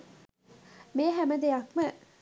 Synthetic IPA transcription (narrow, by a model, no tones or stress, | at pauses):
meːɦæməd̪eɐkmə